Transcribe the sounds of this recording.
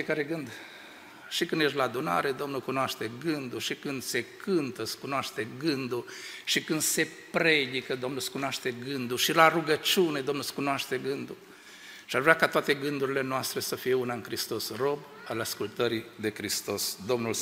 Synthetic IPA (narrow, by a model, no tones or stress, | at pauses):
ekaɾe̞ɡɨnd̪ | ʃikɨnd̪jeʃ̬laːd̪una̰ɾe̞d̪o̞mnulkunoaʃt̪e̞ɡɨnd̪uʃikɨnd̪se̞kʰɨnt̪əskunoaʃt̪e̞ɡɨnd̪uʃikɨnd̪se̞ | pɾe̞d̪ikəd̪o̞mnuskunoaʃt̪e̞ɡɨnd̪uʃilaruɡət͡ʃune̞d̪o̞mnuskunoaʃt̪e̞ɡɨnd̪u | ʃiaʒvɾeakat̪oat̪e̞ɡɨnd̪uɾile̞noast̪ɾe̞səfije̞unaɨŋkɾist̪o̞sro̞b | alaskult̪əɾid̪e̞kɾist̪o̞sd̪o̞mnul